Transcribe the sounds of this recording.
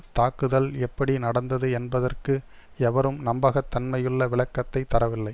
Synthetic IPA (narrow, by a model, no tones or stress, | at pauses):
t̪aːkɯðɐlɛpːɐɽinɐɽɐnd̪ɐðɯɛnbɐðɐrkɯ | ɛʋɐɾɯmnɐmbaːɣɐt̪ːɐnmɐjɯɭːɐʋɪɭɐkːɐt̪ːɐɪt̪ːɐɾɐʋɪlːɐɪ